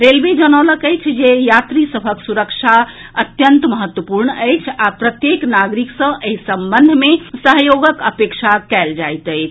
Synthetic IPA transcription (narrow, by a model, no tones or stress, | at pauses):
ɾelbed͡ʒənələkəjt͡ʃʰd͡ʒejat̪ɾisəbʱəksuɾəkt͡ʃʰa | ət̪jənt̪məɦət̪wəpuɾɳəjt͡ʃʰapɾət̪jeknaɡɾiksə̃ʔeɦisəmbənd̪ʱmesəɦjoɡəkəpekt͡ʃʰakɛld͡ʒajt̪əjt͡ʃʰ